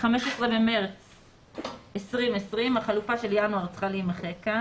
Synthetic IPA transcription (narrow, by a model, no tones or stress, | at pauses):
χameʃesʁebemeʁt͡s | esʁimesʁimaχalufaʃe̞ljanuaʁt͡sχalimaχeka